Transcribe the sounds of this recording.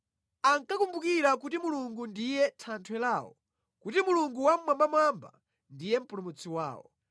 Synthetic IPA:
aŋkakumbukiɾakutimuluŋɡundijɛtʰantʰwɛlaːwɔ̰ | kutimuluŋɡuwam̩mambamamba̰ | ndijɛm̩pulumut͡sʰiwa̰ːwɔ̰

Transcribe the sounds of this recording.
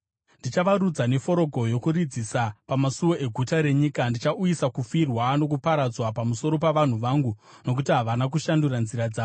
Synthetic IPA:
ndit͡ʃaʋaɾud͡zane̞fo̞ɾo̞ɡʱo̞jo̞kurid͡zisapamasuwo̞ʔe̞ɡʱutaɾe̞ɲiːkandit͡ʃaujisakufirwano̞k̬upaɾad͡zwapamuso̞ɾo̞paʋan̤uʋaːŋɡu | no̞k̬utiɦaʋanak̬uʃanduranziɾad͡zaːo

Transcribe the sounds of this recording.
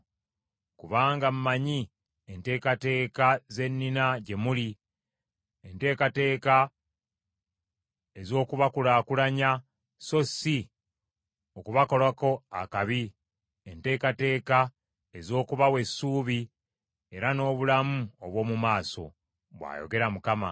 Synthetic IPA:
kuβaːŋɡammaɲi | ente̞ːkate̞ːkaze̞nːinaɟe̞muli | ente̞ːkate̞ːka | e̞zo̞ːkuβakulaːkulaɲa | so̞si | okuβako̞lwako̞akaβi | e̞nte̞ːkate̞ːka | e̞zo̞ːkuβawe̞sːuːβi | e̞ɾano̞ːβulamuoβwo̞ːmumaːso̞̰ | βwa̰ːjo̰ɡe̞ɾamukama̰

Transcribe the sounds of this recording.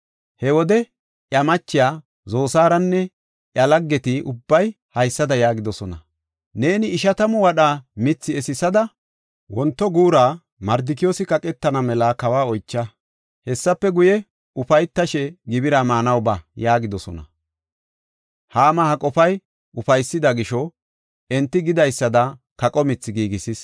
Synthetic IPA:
hɛwɔd̪ɛ | ʔjɐmɐt͡ʃːɪjaː | zo̞ːsaːɾɐnːɛ | ʔjɐlɐɡːɛt̪ɪʔʊbːɐj | hɐjsːɐd̪ɐjaːɡɪd̪ɔsɔnɐ | ne̞ːnɪːʃɐt̪ɐmɔwɐɗaːmɪt͡sːɪɛsɪsɐd̪ɐ | wɔnt̪ːɔɡuːɾaː | mɐɾd̪ɪk̬ɪjoːsɪkɐkʼɛt̪ːɐnɐmɛlakɐwaːɔjt͡ʃːɐ | hɛsːɐpːɛɡʊjɛ | ʊfɐjt̪ːɐʃɛɡɪbɪɾaːmaːnɐwbɐjaːɡɪd̪ɔsɔ̰nɐ̰ | haːmɐhɐkʼɔfɐj | ʊfɐjsːɪd̪ɐɡɪʃɔ | ɛnt̪ːɪɡɪd̪ɐjsːɐd̪ɐkɐkʼɔmɪt͡sːɪɡiːɡɪsɪs

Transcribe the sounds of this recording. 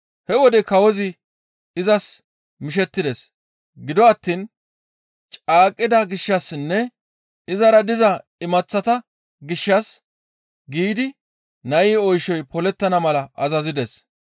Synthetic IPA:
hɛwɔd̪ɛkɐwɔzɪ | ɪzɐs | mɪʃ̬ɛt̪ːɪd̪ɛs | ɡɪd̪ɔɐt̪ːiːn | t͡ʃʼaːkʼːɪd̪ɐɡɪʃːɐsːɪnːɛ | ɪzɐɾɐd̪ɪzɐɪmɐt͡sːɐt̪ɐ | ɡɪʃːɐs | ɡiːd̪ɪ | nɐʔiːɔjʃɔjpɔlɛt̪ːɐnɐmɐlɐʔɐzɐzɪd̪ɛs

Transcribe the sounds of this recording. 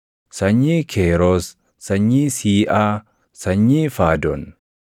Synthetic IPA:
sɐɲːiːkʰeːɾoːs | sɐɲːiːsiːʔaː | sɐɲːiːfaːd̪ɔn

